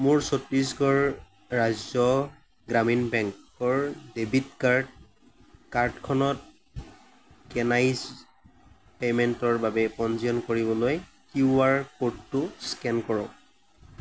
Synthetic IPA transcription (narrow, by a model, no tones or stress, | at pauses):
mʊɹsotɹis̬ɡɔɹː | azɔ | ɡɹaminbɛŋkɔɹdebitkaɹd | kaɹtkʰɔnɔt̚ | kɛnajz | pemɛntɔɹbabɛpɔnziɔnkoɹibɔloj | kiuaɹkotːʊskɛnkɔɹɔ